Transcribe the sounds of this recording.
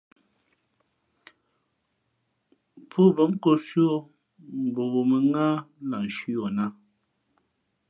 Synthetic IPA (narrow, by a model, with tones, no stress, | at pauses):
pʰu˦˨bə˨˦ŋ̩˦ko˦sɥo˦ | m̩˨bo˨bo˨mə˨ŋa˦la˨n̩˨ʃi˦o˨na˦